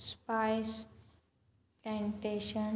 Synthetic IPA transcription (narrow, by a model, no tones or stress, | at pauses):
spajs | plɛ̃ɳʈeʃən